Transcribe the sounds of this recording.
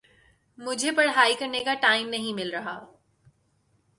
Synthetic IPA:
mʊd͡ʒʱepɐɽɦaːikɐɾnekaʈaːɪmnɐɦĩmɪlɾɐɦaː

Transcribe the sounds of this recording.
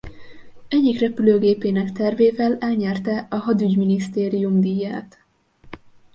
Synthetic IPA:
ɛɟːikrɛpyløːɡeːpeːnɛkt̪ɛrveːvɛlɛlɲɛrt̪ɛɒɦɒd̪yɟminist̪eːɾijumd̪iːjaːt̪

